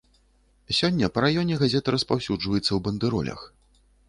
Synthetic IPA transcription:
sʲɔnʲːɐpɐɾajɔnʲɛɣazʲɛt̪ɨɾɐspawsʲud͡ʐvɐjɛt̪sːɐwbɐnd̪ɨɾɔ̰lʲɐ̰x

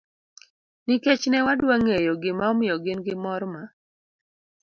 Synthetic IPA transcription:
niket͡ʃnɛwadwaŋejɔɡɪmaɔmɪjɔɡɪnɡɪmɔɾma

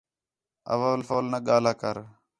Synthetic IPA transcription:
ə̰ʋəːlfoːlnəɠaːlaːkəɾ

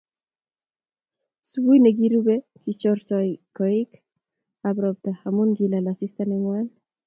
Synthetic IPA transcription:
subujneɡiɾubekit͡ʃɔɾtɔjkɔik | abɾɔp̚t̪ahamunɡilalasist̪anɛŋwan

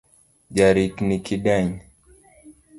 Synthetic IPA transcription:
d͡ʒaɾiknikiɗaɲ

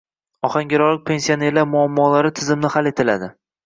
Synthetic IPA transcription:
ɒhaŋɡʲɪɾɒlɪk̚ʲpʰe̞nsione̞ɾlaɾmʊamːɒːlaɾɪt̪ʰɪzɪmnɪhale̞t̪ʰɪla̰d̪ɪ

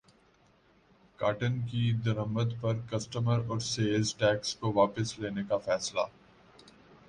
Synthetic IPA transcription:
kaːʈənkid̪ɐɾəməd̪pɐɾkɐsʈəməɾɔːɾseːlzʈɛːkskoʋaːpəsleːnekafɛːsla̰ː

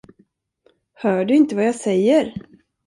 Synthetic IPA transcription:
hœːɖɵɪnt̪əvajɑːsɛjːəɾ

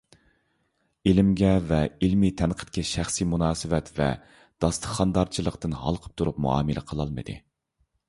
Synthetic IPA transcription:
ilɪmɡʲɛvɛilmit̪ʰɛnqʰə̥t̪̚kʲʰɛʃæχsimunɑːsɨvɛt̪vɛ̰ | d̪̥ɑst̪ʰə̥χːɑnd̪ɑɾt͡ʃʰilˠəqt̪ɨnhɑ̰lˠqʰə̥p̚t̪ʰuɾup̚mṵɑ̰ːmɨlʔɪ̰qʰəlˠɑlˠmɨ̰d̪ɨ̰

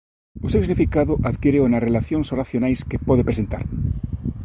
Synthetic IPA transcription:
osewsiɣnifikaðoʔaðkjeɾeonarelaθjoŋsoraθjonajskepɔðepɾesent̪a̰ɾ

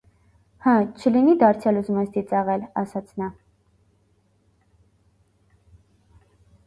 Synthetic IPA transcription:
hət͡ʃʰəlinid̪ɑɾt͡sʰjɑluzumɛsd̪it͡sɑʁɛlɑ̰sɑt͡sʰnɑ

